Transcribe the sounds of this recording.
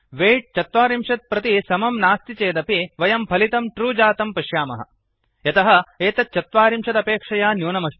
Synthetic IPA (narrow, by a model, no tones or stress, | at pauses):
ʋeːʈ̚t͡ʃɐt̪ʋaːɾimʂɐt̪̚pɾɐt̪isɐmɐmnaːst̪it͡ʃeːd̪ɐpiʋɐjɐmpʰɐlit̪ɐmʈɾuːd͡ʒaːt̪ɐmpɐʃjaːmɐ̰ɦɐ̰ | jɐt̪ɐɦɐ̆eːt̪ɐt͡ʃːɐt̪ʋaːɾimʂɐt̪ɐpeːkʂɐjaːnjuːnɐmɐʃ